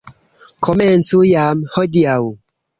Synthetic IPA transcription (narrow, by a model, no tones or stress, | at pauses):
kʰoment͡sujamhodiaw